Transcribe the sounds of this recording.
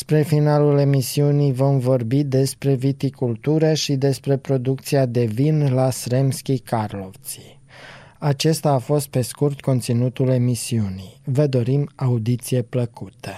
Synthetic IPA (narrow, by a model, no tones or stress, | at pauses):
spɾe̞finalule̞misiunijvo̞mvo̞rbid̪e̞spɾe̞vit̪ikult̪uɾəʃid̪e̞spɾe̞pɾo̞d̪uk̚t̪siad̪e̞vinlasɾe̞mskʲikarlo̞ft̪si | at͡ʃe̞st̪aːfo̞st̪̚pe̞skurt̪ko̞nt̪sinut̪ule̞misiunijvəd̪o̞ɾimaud̪it̪sije̞pləkut̪ə